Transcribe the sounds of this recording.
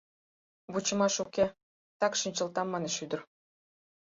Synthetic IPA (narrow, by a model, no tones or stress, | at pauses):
βut͡ɕə̆mɑʃukʲe | t̪ɑkʃinʲt͡ɕə̆lt̪ɑmːɑneʃyd̪ə̆r